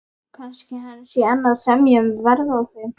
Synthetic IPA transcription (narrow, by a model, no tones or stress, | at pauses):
kʰanscɪhasɛɛnːaðsɛmjʏmvɛɾðawθe